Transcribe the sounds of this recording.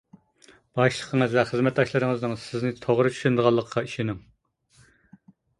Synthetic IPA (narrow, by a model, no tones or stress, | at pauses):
b̥ɑʃlˠəqʰəŋəzvɛχəzmɛt̪̚d̪ɑʃlˠɨɾɨŋəznɨŋsɪznɪt̪ʰoʁɾɨt͡ʃʰy̥ʃynd̪əʁɑlˠːəqʰːɑiʃinɪŋ